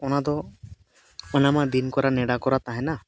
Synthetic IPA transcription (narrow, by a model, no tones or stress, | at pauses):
ɔnad̪ɔ | ɔnamad̪inkɔɾanɛɽakɔɾat̪aɦɛna